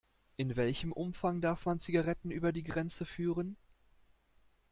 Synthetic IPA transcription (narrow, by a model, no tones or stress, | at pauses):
ʔɪnvɛlçəmʔʊmfaŋdaɐfmant͡siɡaʁɛtn̩ʔyːbɐdiːɡʁɛnt͡səfyːʁən